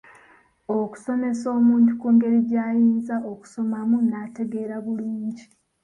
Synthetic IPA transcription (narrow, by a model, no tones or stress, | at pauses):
o̞ku̥so̞me̞soːmuːntukuːŋɡe̞ɾiɟaːjiːnzaʔo̞ku̥so̞mamunaːte̞ɡeːɾaβuluːɲɟi